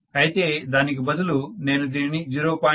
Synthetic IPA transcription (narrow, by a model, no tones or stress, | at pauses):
ɐjit̪e̞ːd̪aːnik̬ibɐd̪ulune̞ːnud̪iːnid͡ʒiɾoːpaː